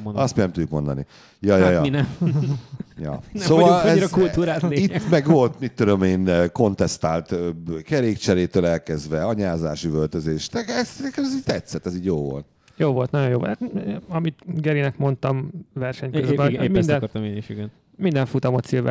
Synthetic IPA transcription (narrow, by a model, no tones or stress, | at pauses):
ɒst̪minɛmt̪uɟːukmond̪ɒ̰nḭ | jɒjɒjɒminɛm | jɒ̰soːvɒlɛizɾɒkuluɾaːteit̪ːmɛɡvo̞lt̪mit̪ːud̪omeːnko̞nt̪ɛst̪aːlt̪økɛɾeːkt͡ʃɛɾeːt̪øːlɛlkɛzʋɛɒɲaːza̰ːʃivølt̪øzeːʃnɛɛsɛkɛmɛziːɟt̪ɛt̪sɛt̪ːɛziːɟjoːvo̞̰lt̪̚ | joːvo̞lt̪nɒɟo̞joːvo̰lt̪hat̪ɒmit̪ɡɛɾinɛkmo̞nt̪ɒmvɛrʃɛɲkkøzbɛmind̪ɛnɾt̪meniʃiɡɛn | mind̪ɛɱfut̪ɒmɒt̪silʋɛ̰